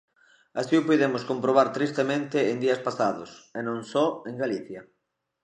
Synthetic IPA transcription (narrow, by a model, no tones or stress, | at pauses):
asiʊpojðemʊskompɾoβ̞aɾt̪ɾist̪emẽnt̪ɪːŋd̪iɐspasaðʊ̰senõŋsɔeŋɡaliθjɐ